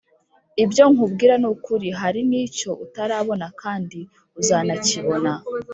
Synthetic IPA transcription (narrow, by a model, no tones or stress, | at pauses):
ibjo̞ŋubɡiːɾanukuɾiɦaɾiniːco̞ʔutaɾaβo̞nakʰaːndi | uzaːnaciβo̞na